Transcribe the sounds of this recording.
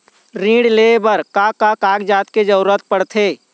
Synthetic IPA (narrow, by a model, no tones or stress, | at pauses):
ɾĩːɽleːbəɾkakakaːɡd͡ʒaːt̪ked͡ʒəuɾət̪̚pəɽt̪ʰeː